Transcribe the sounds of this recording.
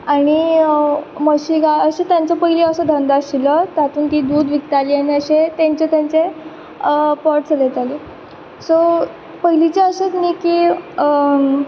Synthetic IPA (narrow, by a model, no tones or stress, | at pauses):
aɽ̃i | məɕiɡaəɕet̪jant͡səpəɦiliəsəd̪ʱənd̪aɕilət̪at̪uːnt̪iːd̪uːd̪ʋik̚t̪alijaniəɕet̪jãɲt͡ɕet̪jaɲt͡se | pɔɾʈt͡səlet̪ali | so | pəɦilit͡ɕeəɕet̪niki